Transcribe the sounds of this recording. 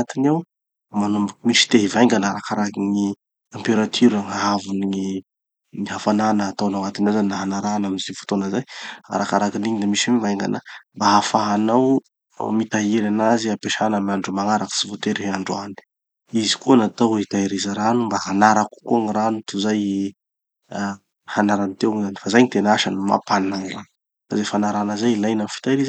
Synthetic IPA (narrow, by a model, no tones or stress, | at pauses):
at̪inaw | manumbakimiʃi̥t̪eɦivajŋɡanaɾakaɾakiŋi | ampeɾat̪ʰyɾaŋaɦavuniŋi | niɦafananəːt̪awnaŋat̪inawzanːaɦanaɾanamizifu̥t̪onəzaja̰ɾakaɾakiniɲid̪amisamivajŋɡa̰nəmbaɦafaɦanaw | mit̪aɦiɾanaziapeʃanamaɳɖ͡ʐumaŋaɾakə̥sivot̪eɾeɦaɳɖ͡ʐuani̥ | izi̥kunat̪awit̪aiɾizaɾanumbahanaɾaku̥kuaŋiɾanut̪uzaj | hanaɾanit̪ewŋzanifazajɲit̪enaʃanima̰pannaŋira | fa̰zefanaɾanəzajlajnamfi̥t̪ajɾiza